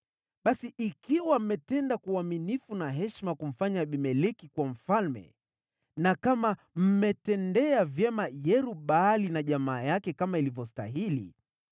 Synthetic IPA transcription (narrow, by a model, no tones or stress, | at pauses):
ɓasiʔikiwam̩mɛtɛndakuaminifunaɦɛʃmakum̩faɲaɓimɛlɛkikwam̩falmɛ̰ | nakama | m̩mɛtɛndɛavjɛmajɛɾuɓaːlinaʄamaːjakɛkamailivjɔsta̰ɦilḭ